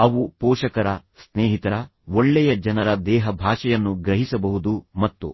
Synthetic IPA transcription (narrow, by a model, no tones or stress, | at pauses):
ɐʋupɔːʃɐkɐɾɐsneːɦit̪ɐɾɐ | oɭːɛjɐd͡ʒɐnɐɾɐd̪ɛːɦɐbʱaːʂɐjɐnːuɡɾɐɦisɐbɐɦud̪umɐt̪ːṵ